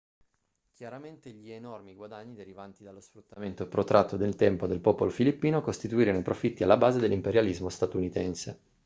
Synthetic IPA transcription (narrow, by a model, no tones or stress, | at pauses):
kjaɾament̪eʎienɔrmiɡwad̪aɲːid̪eɾivant̪id̪alːosfɾut̪ːament̪opɾot̪ɾʔat̪ːod̪elt̪ɛmpod̪elpɔpolofilipːiːnokost̪it̪uiːɾenoipɾofit̪ːialːabaːzed̪elːimpeɾjalizmost̪at̪unit̪ɛnse